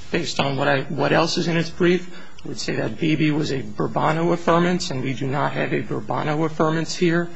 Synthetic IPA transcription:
b̥eɪstn̩wʌɾaɪwʌɾɛlˠsɨzɨ̃ñɨtsb̥ɹif | aɪwɨd̥seɪðɨt̚b̥ibiwʌzɨbə˞bɑnoʊəfɜ̃˞mɨ̃nsɨ̃nwidɨnət̚ɦɨvɨbə˞bɑ̰̃ñoʊəfɜ̃˞mɨ̃nshiɹ

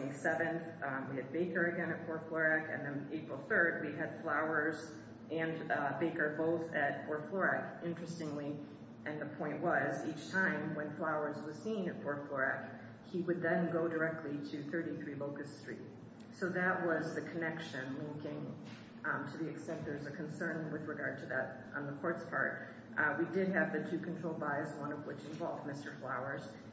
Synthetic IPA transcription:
sɛvɨ̃nθwiɨd̚beɪkə˞ɨɡɛ̃ñɨt̚pʰɔɹtflɔɹækɨ̰̃nðɨ̃neɪpɹl̩ˠθɜ˞d̚wiɨd̥flaʊə˞z | ʔɨ̃nbeɪkə˞boʊθɨt̚pʰɔɹtflɔɹækɪ̃nt͡ʃɹ̥ɨstɪ̃ŋli | ʔɨ̃nðɨpʰɔ̃ɪ̃nʔwʌzit͡ʃtʰãɪ̃mwə̃nflaʊə˞zwʌz̥sĩnɨt̚pʰɔɹtflɔɹæ̰k | hiwɨd̪̚ðɨ̃nɡoʊdə˞ɛk̚tʰˡliɾɨθɜ˞ɾiθɹiboʊkɨstɹ̥ḭt̚ | soʊðɨʔ̚wʌzðɨkʰɨnɛkʃɨ̃nwʌ̃ŋkɪ̃ŋ | tʰɨðiɨksɛ̃ntə˞zəkʰɨ̃n̩sɜ̃˞nwɨðɹɨɡɑɹd̚tʰɨðɨɾ | ʔn̩ðəkʰɔɹtspʰɑ̰ɹt̚ | widɪd̚ɨvðɨtʰʉkʰntʰɹ̥oʊlˠbaɪzwʌ̃nʌvwɪt͡ʃɨ̃ɱvɑlˠvdmɪstə˞flaʊə˞z̥

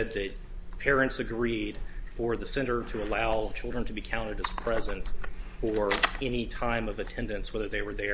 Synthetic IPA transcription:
ɛd̪̚ðɨt̚ | pʰɛɹɨ̃ntsɨɡɹid̥fə˞ðɨsɛ̃ñə˞ɾʰɨəlaʊt͡ʃʰɪlˠdɹə̃ntʰɨbikʰãʊ̃ñɨɾɨz̥pʰɹ̥ɛzɨ̃ntfə˞ɛnitʰãɪ̃mʌvɨtʰɛ̃ndɨ̃nswɛðə˞ðeɪwə˞ðə

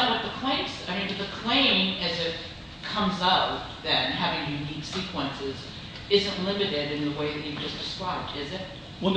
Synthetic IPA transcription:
wʌt̪̚ðɨkʰl̥ẽɪ̃mz̥aɪmĩnɨt̪̚ðɨkʰl̥ẽɪ̃mɨzɨt̚ | kʰʌ̃mzʌʊp̚ðɨ̃t̚hævɪ̃ŋjʉniksikʰwə̃nsɪz | ɪzɨ̃nʔlɪ̃mɨɾɪɾɨ̃nðəweɪðɨt̚hivd͡ʒʌsd̥ɨskɹaɪb̚dɪzɪt̚ | wə̃

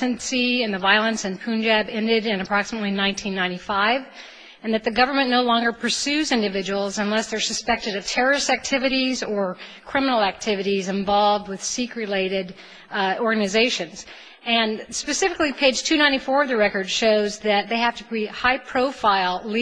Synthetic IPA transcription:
ɨ̃nsiɨ̃nðɨvaɪlˠə̃nsɨ̃npʰʉ̃nd͡ʒæbɛ̃ndɪɾɪ̃nɨpʰɹ̥ɑksəmətˡlinãɪ̃ntʰĩnːãɪ̃ifaɪv | ɨ̃nðɨt̪̚ðɨɡʌvə˞mɨ̃nnoʊlɔ̃ŋɡə˞pʰə˞sʉzɪ̃ndɨvɪd͡ʒɨwl̩ˠzə̃nlɛsðə˞sɨspɛk̚tɨɾʌv̥tʰɛɹə˞ɨsæk̚tʰɪvɨɾizə˞kʰɹ̥ɪ̃mənl̩ˠæk̚tʰɪvɨɾizɨ̃ɱvɑlˠvd̚wɨð̥sikɹɨleɪɾɪɾ | ɔɹɡɨnɨzeɪʃɨ̃nz̥ | ɨ̃nspɨsɪfɨklipʰeɪdd͡ʒʒ̥tʰʉnãɪ̃ñifɔɹʌvðɨɹɛkə˞d̥ʃoʊzðɨt̪̚ðeɪhæftɨkʰɹ̥it̚haɪpʰɹ̥oʊfaɪlˠl

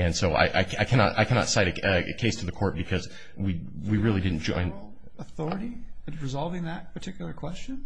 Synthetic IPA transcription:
ɨ̃nsoʊa̰ɪʔa̰ɪkʰaɪkʰænɑ̰ɾa̰ɪkʰænɑ̰tsaɪɾɨʌɨ̰kʰeɪstʰɨðɨkʰɔɹt̚b̥ɨkʰʌz | wiwiɹɪlˠidɪdⁿn̩d̥ʒ̥ɔ̰̃ɪ̃n | əθɔɹɨɾiɹɨzɑlˠvɪ̃ŋðɨt̚pʰə˞tʰɪkjl̩ˠə˞kʰw̥ɛst͡ʃɨ̃n

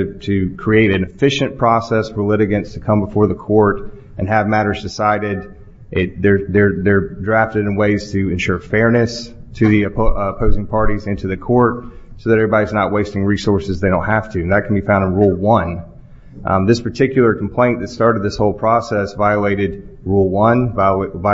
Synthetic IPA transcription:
ɾʰɨkʰɹ̥ieɪɾɨ̃nɨfɪʃɨ̃npʰɹ̥ɔsɛsɹə˞lɪɾɨɡɨ̃ntstʰɨkʰʌ̃mbəfɔɹðəkʰɔɹɾ | ɨ̃nɨvmæɾə˞zdɨsaɪɾɪd̪̚ | ʔɪt̚ðə˞ðə˞ðə˞dɹæftɨɾɨ̃nweɪz̥tʰɨɨ̃nʃʊɹfɛɹnɨstʰɨðiɨpʰoʊzɪ̃ŋpʰɑɹɾizɪ̃ntʰʉðɨkʰɔɹt̚ | soʊðɨɾɛvɹibaiznət̚weɪstɪ̃ŋɹisɔɹsɨzðeɪɾõʊ̃nhæftʰʉ̃nðɨt̚kʰn̩bifãʊ̃ndɨ̃nɹulˠwʌ̃n | ðɪspʰə˞tʰɪkjl̩ˠə˞kʰm̩pʰl̥ẽɪ̃nðɨtstɑɹɾɨd̪̚ðɪshoʊlˠpʰɹ̥ɔsɛsvaɪəleɪɾɨd̚ | ɹulˠwʌ̃nvv

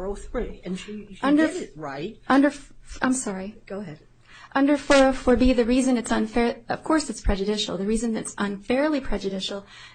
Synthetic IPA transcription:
oθiɨ̃ñndə˞ɹaɪt̚ʔʌ̃ndə˞fʔã̰ɪ̃msɑɹiɡ̥oʊəɦɛd̚ | ʔʌ̃ndə˞fə˞fə˞biðɨɹizɨ̃nɨtsə̃nfɛɹʌ̰v̥kʰɔɹsɨtspʰɹ̥ɛd͡ʒɨdɪʃl̩ˠðɨɹizɨ̃nɨtsə̃nfɛɹlˠipʰɹ̥ɛd͡ʒɨdɪʃl̩ˠ

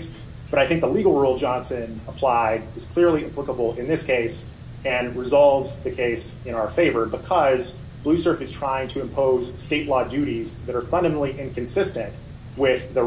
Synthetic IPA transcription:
s | b̥ʌɾaɪθɪ̃ŋk̚ðəliɡl̩ˠɹulˠd͡ʒɑ̃nsɨ̃nəpʰl̥aɪɾɨz̥kʰl̥ɪɹlˠiɨpʰl̥ɪkəbl̩ˠɪ̃nðɪskʰeɪs | ɨ̃nɹɨzɑlˠvzðɨkʰeɪsɨ̃ɾ̃aʊə˞feɪvə˞bɨkʰʌz | b̥lʉsɜ˞fɨz̥tʰɹ̥aɪɪ̃ŋtʰɨɨ̃mpʰoʊz̥steɪʔˡlɔdʉɾizðɨɾə˞fʌ̃ndɨmn̩lˠiʔɪ̃nkʰɨ̃nsɪstɨ̃nʔ | wɪðɨ

